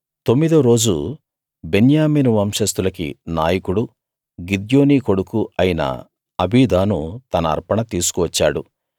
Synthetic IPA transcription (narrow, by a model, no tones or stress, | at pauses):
t̪o̞mːid̪uɾo̞ːd͡ʒu | be̞njaːmiːnuʋɐmʂɐst̪ulɐkḭnaːjɐkuɽu | ɡid̪joːniːko̞ɽukuɐjinɐ̰ | ɐbʱiːd̪ʱaːnut̪ɐnɐ̰ːɾpɐɳɐt̪iːsu̥kuʋɐt͡ʃːaːɽṵ